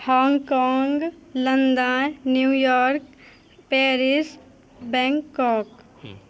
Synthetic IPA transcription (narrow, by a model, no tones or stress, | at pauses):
hɔːŋɡkɔːŋɡlənd̪annjuːjɔːɾk | pɛːɾɪs | bɛ̃ːŋkːɔːk